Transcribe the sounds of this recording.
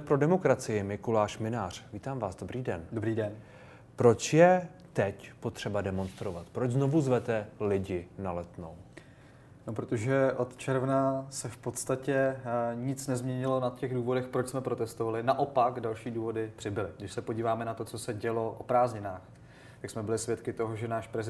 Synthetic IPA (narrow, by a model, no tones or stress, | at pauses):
pɾo̞dɛmo̞kɾat͡sɪjɪmɪkulaːʃmɪnaːr̝̥viːt̪aːmvaːszdo̞bɾiːdɛndobɾiːdɛn | pɾo̞t͡ʃjɛ | t̪ɛcpo̞t̪r̝̥ɛbadɛmo̞nst̪ɾo̞vat̪pɾo̞d͡ʒzno̞vuzvɛt̪ɛlɪɟɪnalɛt̪no̞w | nopɾot̪oʒɛʔo̞t̪t͡ʃɛɾvnasɛfpo̞t̪st̪acɛɲɪt͡snɛzmɲɛɲɪlo̞nat̪cɛɣduːvo̞dɛxpɾot͡ʃsmɛpɾo̞t̪ɛst̪ovalɪnaʔopakdalʃiːduːvo̞dɪpr̥ɪbɪlɪɡdɪʃsɛpoɟiːvaːmɛnat̪ot͡so̞sɛɟɛlo̞ʔopɾaːzɲɪnaːx | t̪aksmɛbɪlɪsvjɛt̪kɪt̪o̞ɦoʒɛnaːʃpɾɛzɪ